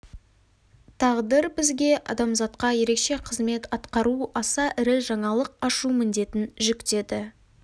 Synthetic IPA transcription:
t̪ʰɑʁd̪əɾbɪzɡʲe̞ʔɑ̰d̪ɑmzɑt̪qɑje̞ɾe̞kʃe̞qʰəzme̞t̪ɑt̪qɑɾuɑsɑʔɪɾɪʒɑɴɑlˠəq̚ɑʃumɪnd̪e̞t̪ɪnʒʏkt̪e̞d̪ɪ

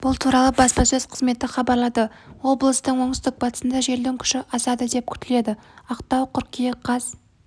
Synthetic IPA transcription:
b̥ʊlˠt̪ʰuɾɑlˠəbɑspɑsɵz̥qʰə̥zme̞t̪ɪχɑbɑɾlˠɑd̪əwo̞blˠəst̪əɴwo̞ɴst̪ɪk̚bɑt̪ə̥sənd̪ɑʒe̞ɾd̪ɪŋkʲʰʏ̥ʃɪʔɑsɑd̪əd̪e̞p̚kʲʰʏ̥t̪ɪle̞d̪ɪɑqt̪ɑwqʰʏɾkʲijeqʰɑz̥

